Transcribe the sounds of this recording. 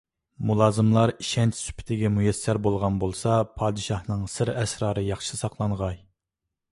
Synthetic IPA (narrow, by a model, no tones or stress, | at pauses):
mulˠɑːzɨmlˠɑɾiʃɛnt͡ʃʰsy̥pʰɪ̥t̪ʰɪɡʲɛmujɛsːæɾbolˠʁɑnbolˠsɑpʰɑːd̪ɨʃɑhnɨŋsɨɾɛsɾɑːɾɨjɑχʃsɑqlˠɑɴʁɑj